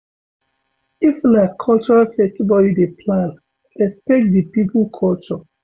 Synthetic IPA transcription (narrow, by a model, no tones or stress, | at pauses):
iflakʰɔlt͡ʃɔɹatɛkibɔdidepʰlãn | ɛstek̚dipiplkʰɔlt͡ʃɔ